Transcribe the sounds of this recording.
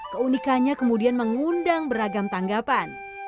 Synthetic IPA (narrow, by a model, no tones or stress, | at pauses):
kəunikaɲakəmudianməŋundaŋbəɾaɡamt̪aŋɡapan